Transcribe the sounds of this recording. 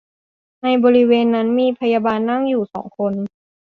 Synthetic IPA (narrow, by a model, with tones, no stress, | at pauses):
na˧jbɔː˧ɾi˦˥weː˧nːa˦˥nmiː˧pʰa˧ja˧baː˧nːa˥˩ŋjuː˨˩sɔ̰ː˩˦ŋkʰo˧n